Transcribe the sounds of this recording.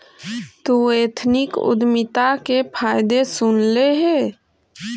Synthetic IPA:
t̪ueːt̪ʰnɪkʊ̰d̪mɪt̪akepʰaːɪd̪esʊnleɦɛ

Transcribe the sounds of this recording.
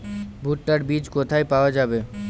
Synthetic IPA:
bʱuʈːaɾbid͡ʑkot̪ʰajpaoad͡ʑabe

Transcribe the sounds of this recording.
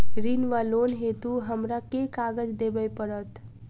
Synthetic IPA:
ɡɾinʋalonɦet̪uɦəmɾakekaɡəd͡ʒd̪ebəjpəɾət̪

